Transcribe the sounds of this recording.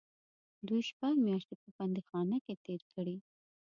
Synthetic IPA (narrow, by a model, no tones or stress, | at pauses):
d̪ujʃpaɡmjɑʃt̪epəpand̪ixɑnəket̪eɾkʰəɽi